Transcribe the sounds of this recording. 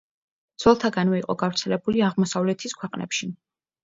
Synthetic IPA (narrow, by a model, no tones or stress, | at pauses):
d̪z̥ɔlˠt̪ʰaɡanmɔiqʼɔ̰ɡavɾt̪sʰɛlɛbuliaʁmɔsavlɛt̪ʰiskʰwɛqʼnʔɛ̰pʃi